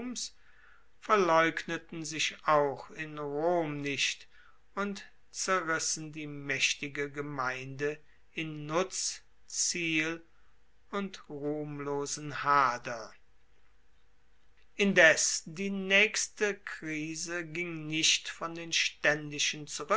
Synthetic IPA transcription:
ms | fɛɐlɔʏknətn̩zɪʃaʊxɪnʁoːmnɪʃt | ʊnt | t͡sɛɐʁɪsn̩diːmɛʃtɪɡəɡəmaɪndə | ɪnːʊt͡s | t͡siːl | ʊntʁuːmloːzn̩haːdɐ | ʔɪndɛsd̥iːnɛːkstəkʁ̥iːzəɡɪŋnɪʃtfɔndeːnʃtɛndɪʃənt͡suʁ

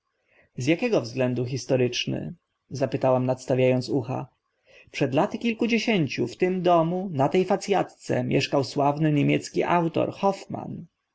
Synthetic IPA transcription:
zʲjakʲɛɡɔvzɡlɛnd̪uxʲist̪ɔɾɘt͡ʂnɘ̰ | zapɘt̪awamnat̪st̪avʲjajɔnt̪suxa̰ | pʂɛd̪lat̪ɘkʲilkud͡ʑeɕeɲt͡ɕuft̪ɘmd̪ɔmunat̪ɛjfat̪sʲjat̪t̪sɛ̰mʲjʔɛʂkawswavnɘɲemʲjɛ̰t̪skʲiʔawt̪ɔ̰ɾxɔfma̰n

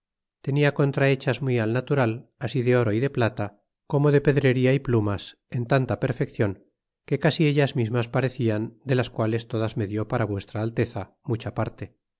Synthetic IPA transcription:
t̪e̞niako̞nt̪ɾae̞t͡ʃazmwialnat̪uɾalasiðe̞o̞ɾo̞iðe̞plat̪a | ko̞mo̞ðe̞pe̞ðɾe̞ɾiaiplumas | e̞nt̪ant̪ape̞ɾfe̞kθjo̞ŋ | ke̞kasie̞ʎazmizmaspaɾe̞θiand̪e̞laskwale̞st̪o̞ðazme̞ðjo̞paɾaβwe̞st̪ɾaːlt̪e̞θa | mut͡ʃapaɾt̪e̞

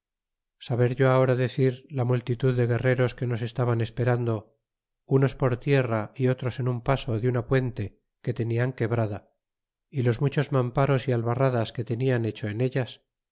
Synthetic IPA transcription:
saβe̞ɾʝo̞ao̞ɾaðe̞θiɾlamult̪it̪uðːe̞ɣe̞re̞ɾo̞ske̞no̞s̬e̞st̪aβane̞spe̞ɾand̪o̞ | uno̞spo̞ɾt̪je̞raio̞t̪ɾose̞numpaso̞ðjunapwe̞nt̪e̞ | ke̞t̪e̞niaŋke̞βɾaða | ilo̞zmut͡ʃo̞zmampaɾo̞sialβaraðaske̞t̪e̞niane̞t͡ʃo̞ene̞ʎas

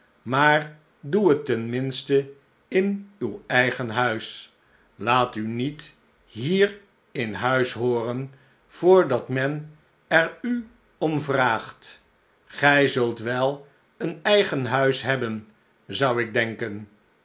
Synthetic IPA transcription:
maːr | duɦətːɛnmɪnstə | ɪnywɛjχənɦœɥs | laːtynit | ɦiːr | ɪnɦœɥsɦoːrən | v̥ʊːɹdɑtmɛn | ɛɹy | ɔmvraːχt | χɛjzɵlˠtʋɛlˠ | ənɛjχənɦœɥsɦɛbən | zʌwɪɡ̚dɛŋkən

